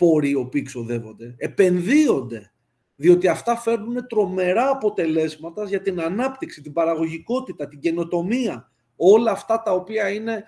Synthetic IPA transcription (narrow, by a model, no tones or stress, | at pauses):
po̞ɾio̞piikso̞ðe̞vo̞nd̪e̞epe̞nðio̞nd̪e̞ | ðio̞t̪iɐft̪ɐfe̞ɾnune̞t̪ɾo̞me̞ɾɐːpo̞t̪e̞le̞zmɐt̪ɐzʝɐt̪inɐnɐpt̪iksit̪ibɐɾɐɣo̞ʝiko̞t̪it̪ɐt̪iɲɟe̞no̞t̪o̞miɐ | o̞lɐːft̪ɐt̪ɐo̞piɐine̞